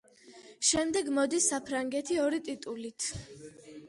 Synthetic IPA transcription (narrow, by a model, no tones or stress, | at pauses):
ʃɛmd̪ɛɡmɔd̪isːapʰɾaŋɡɛt̪ʰiɔɾit̪ʼit̪ʼulit̪ʰ